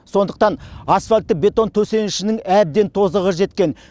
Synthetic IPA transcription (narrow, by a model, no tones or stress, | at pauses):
so̞nd̪əq̚t̪ɑnasfalʲt̪ːəbʲe̞t̪o̞nt̪ʰɵse̞nɪʃɪnɪŋæb̚d̪e̞nt̪ʰo̞zəʁəʒe̞t̪kʲe̞n